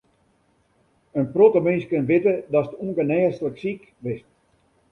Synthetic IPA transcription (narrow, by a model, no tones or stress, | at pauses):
ənprotəmɪnskənʋɪtədɔsətuŋɡənɛːstələksik | ʋɪst